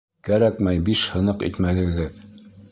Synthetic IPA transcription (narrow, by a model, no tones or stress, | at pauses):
kæɾækmæjbiʃhɤ̆nɤqḭt̪mælɘ̆ɡɘð